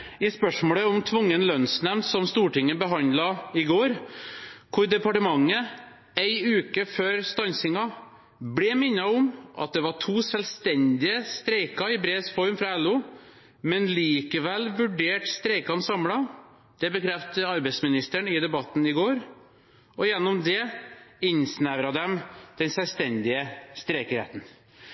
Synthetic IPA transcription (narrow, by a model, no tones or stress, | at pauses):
ɪspœʂmoːləɔmt̪ʰʋʊŋːənlœnsnɛmnt̪sɔmst̪uːʈɪŋːəbəɦɑnd̪lɑɪɡoːɾ | kʰʊɾd̪ɛpɑʈəmɑŋːə | æɪʉːkəføːɾst̪ɑnsɪŋɑ | blɛːmɪnːɑɔmʔɑ̰t̪̚d̪ɛʋɑʈʰuːsɛlst̪ɛnd̪ɪəst̪ɾæɪkɑɪbɾeːsfɔɾmfɾɑɛlːuː | mɛnliːkəʋɛlʋʉɖeːʈst̪ɾɛɪkɑnsɑmlɑ | d̪̥ɛbəkʰɾɛft̪əɑɾbɛsmɪnɪst̪əɳɪd̪ɛbɑt̪ːn̩ɪɡoːɾ | ɔjɛnːɔmd̪ɛɪnsnæʋɾɑd̪ɛmd̪̥ɛnsɛlst̪ɛnd̪ɪəst̪ɾɛɪkəɾhḛːt̪n̩